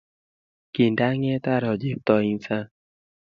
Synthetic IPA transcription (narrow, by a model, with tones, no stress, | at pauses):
ki˨nda˦ŋɛ˦t̪a˦ɾɔ˨d͡ʒe˨p̚t̪ɔ˨i˧nsa˦